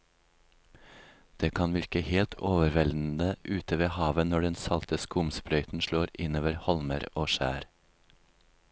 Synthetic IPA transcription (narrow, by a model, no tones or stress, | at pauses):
d̪̥eːkʰɑnʋɪɾkəheːlt̪ʰoːʋəɾʋɛln̩d̪əʔʉːt̪ʰəʋeːhɑːʋənɔɖɛnsɑlt̪əskʊmsbɾœʏt̪n̩ʃloːɾɪnoːʋəɾhɔlməɾoːʃæ̰ːɾ